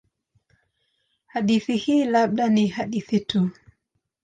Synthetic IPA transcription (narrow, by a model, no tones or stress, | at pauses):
haɗiθihiːlaɓ̚ɗanihaɗiθitu